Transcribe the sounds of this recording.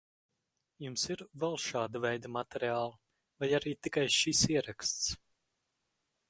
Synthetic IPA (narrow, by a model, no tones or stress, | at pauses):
jumsiɾvɛlˠʃaːd̪avɛjd̪amat̪ɛɾiaːlˠɐ | vajaɾiːt̪ikajʃisiɛɾakst̪s